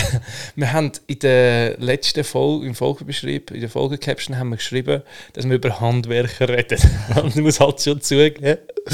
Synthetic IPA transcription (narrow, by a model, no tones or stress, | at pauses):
miːɦandɪd̥əlɛstəfɔlimfɔlɡəbeʃɾḭːbḭdəfɔ̰lɡəkʰɛpʃən̩ɦanmiːkʃɾibəd̥ɑsməɾybəɾhɑndvɛɾkərɛd̥ətʊntmushɑltʃot͡suəɡeː